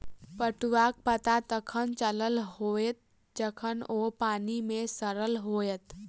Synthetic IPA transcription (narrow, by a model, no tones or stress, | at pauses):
pəʈuʋaːk̚pət̪at̪əkʰənt͡ʃələlɦoːet̪̚ | d͡ʒəkʰənoːpaːnimẽsəɾəlɦoːjət̪